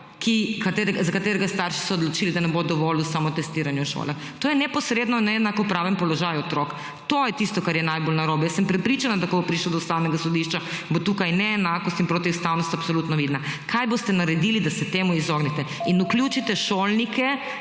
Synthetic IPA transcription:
kikat̪eːɾɛɡazakat̪eːɾɛɡast̪aɾʃi̥sɔɔd̪lɔt͡ʃilid̪anɛbod̪ɔʋolusamɔt̪ɛst̪iːɾanjɛʃo̰lax | t̪oːjɛnɛpɔsɾed̪nɔnɛɛnakɔpɾaːʋɛmpɔlɔʒajɔt̪ɾok | t̪ojɛt̪ist̪ɔkaɾjɛnajbolnaɾoːbɛjɛsəmpɾɛpɾit͡ʃanad̪akɔbopɾiʃlɔd̪ɔust̪awnɛɡasɔd̪iʃt͡ʃa | bot̪uːkajnɛːnaːkɔst̪inpɾoːt̪iust̪awnɔst̪apsolut̪nɔʋid̪nakʰajbost̪ɛnaɾɛd̪ilid̪asɛt̪eːmuizoɡnɛt̪ɛinukljut͡ʃit̪ɛʃolnikʰɛ

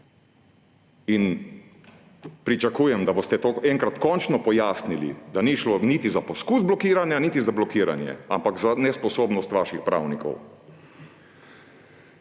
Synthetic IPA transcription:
in | pɾit͡ʃakuːjɛmd̪abost̪ɛt̪oːɛŋkɾat̪kɔnt͡ʃnɔpɔjaːsnilḭd̪aniʃlonit̪izapɔskuzblɔkiːɾanjanit̪izablɔkiːɾa̰njɛ̰a̰mpakzanɛspɔsoːbnɔst̪ʋaːʃixpɾa̰ːwnikɔ̰w

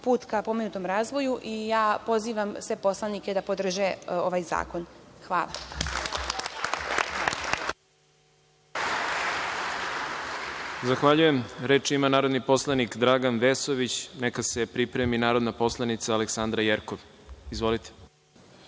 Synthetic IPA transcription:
puːt̪kapo̞menut̪o̞mɾaːzʋo̞juʔijaːpo̞ziːʋamsʋepo̞slˠanikʲed̪apod̪r̩ʒeoʋaːjza̰ːko̞nxʋa̰ːlˠa | zaxʋaʎuje̞mɾeːt͡ʃimanaːɾo̞d̪nipo̞slˠanikd̪ɾaːɡanʋesoʋit͡ɕnekase̞pɾipɾeminaːɾo̞d̪napo̞slˠanit̪saːleksand̪ɾajeɾkoʋ | izʋo̞lit̪ʰe̥

